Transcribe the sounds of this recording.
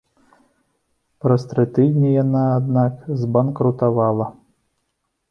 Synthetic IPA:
pɾɐst̪ɾɨt̪ɨd̪ʲnʲijanaːd̪nakzbankɾut̪avalˠɐ

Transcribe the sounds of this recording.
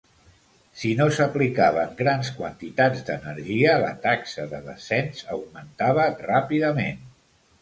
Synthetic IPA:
sinosəplikaβəŋɡɾanskwənt̪it̪ad͡zd̪ə̰nəɾʒiələ̰t̪aksəðəðə̰sɛnzəwmənt̪aβ̞ərapiðəmen

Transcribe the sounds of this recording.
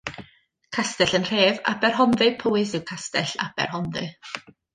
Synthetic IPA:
kʰastɛɬənr̥eːva̰bɛrɦɔnðɨpʰoːɨsɪwkʰastɛɬa̰b̥ɛ̰rhɔnðɨ

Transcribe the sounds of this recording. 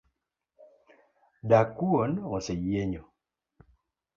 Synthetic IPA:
dakuonosejeɲo

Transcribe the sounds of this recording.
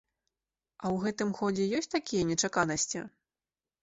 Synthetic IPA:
ɐwɣɛt̪ɨmxɔd͡zʲɛjɔsʲt͡sʲt̪akʲijɐnʲɛt͡ʂakanɐsʲt͡sʲḭ

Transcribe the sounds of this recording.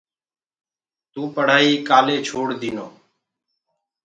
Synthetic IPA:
t̪ũːpəɽ̤aːiːkaːleːt͡ʃʰoːɽd̪iːnoː

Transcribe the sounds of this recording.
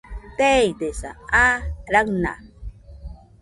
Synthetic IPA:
t̪ejd̪esa̰aɾakna̰

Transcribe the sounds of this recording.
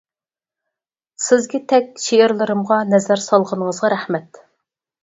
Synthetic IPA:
sɪzɡʲɛt̪ʰɛkʲʃeɪɾlˠɨɾɨmʁɑnɛzæɾsɑlˠʁənəŋəzʁɑɾæhmɛt̪

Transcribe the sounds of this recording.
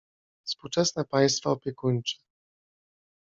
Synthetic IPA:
fspuwt͡ʂɛsnɛpaj̃st̪faɔpʲjɛkuɲt͡ʂɘ̥

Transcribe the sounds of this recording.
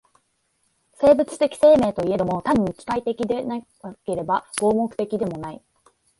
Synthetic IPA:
se̞ːbɯ̟t͡sɨ̥t̪e̞kʲi̥se̞ːme̞ːt̪o̞ie̞ɾɯmo̞t̪aɲ̟ːikʲi̥kait̪e̞kʲid̪e̞na | ke̞ɾe̞baɡ̥o̞ːmokɯ̥t̪e̞kʲid̪e̞mo̞nai

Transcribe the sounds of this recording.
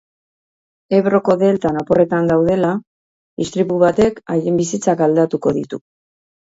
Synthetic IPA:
e̞βro̞ko̞ðe̞lt̪anapore̞t̪and̪awð̞e̞la | ist̪ɾiβuβat̪e̞kajembisit͡sakald̪at̪uko̞ðit̪u

